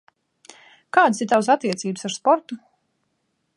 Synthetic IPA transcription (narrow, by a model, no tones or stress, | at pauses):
kaːd̪siɾt̪aws̬at̪ːiɛt̪siːbsaɾspɔɾt̪u